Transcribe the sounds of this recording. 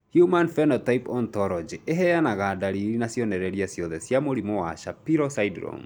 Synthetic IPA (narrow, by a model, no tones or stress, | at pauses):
hjumanfɛnɔtaipɔntɔlɔd͡ʒiʔeɦɛjanaɣadaɾiɾinasjɔnɛɾɛɾiasjɔðɛsjamoɾimowa̰ʃapiɾɔsaidɾɔ̰m